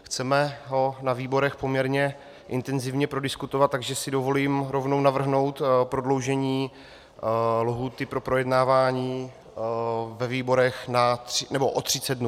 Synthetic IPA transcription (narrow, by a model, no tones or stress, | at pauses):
xt͡sɛmɛɦo̞naviːbo̞ɾɛxpo̞mɲɛɾɲɛ | ʔɪ̰nt̪ɛnzɪvɲɛpɾo̞dɪskut̪ovat̪ːaɡʒɛsɪdo̞vo̞liːmɾo̞vno̞wnavr̩ɦno̞wt̪pɾo̞dlo̞wʒɛɲiː | loɦuːt̪ɪpɾo̞pɾo̞jɛdnaːvaːɲiː | vɛviːbo̞ɾɛxnat̪r̥ɪnɛbo̞ʔot̪r̝̥ɪt͡sɛd̪̚dnu